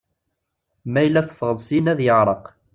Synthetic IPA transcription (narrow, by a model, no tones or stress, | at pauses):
mæjlːæsˤə̥fʁəðˤsˤinæðjəʕɾˤəq